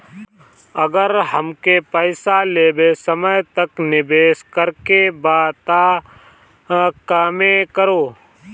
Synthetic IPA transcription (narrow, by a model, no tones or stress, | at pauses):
əɡəɾhəmkepəɪsaleːbesəməjt̪əknɪbeːskəɾkebaːt̪a | kaːmẽkəɾoː